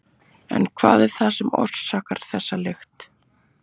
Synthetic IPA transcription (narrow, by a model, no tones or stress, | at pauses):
ɛ̰nkʰva̰ːðɛɾ̥θasɛmɔ̰̥ssaːkaɾ̥θɛsːalext̪